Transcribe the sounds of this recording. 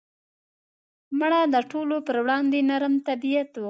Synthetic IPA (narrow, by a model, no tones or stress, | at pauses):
məɽad̪əʈolopəɾwɽɑnd̪enaɾmt̪abijat̪wu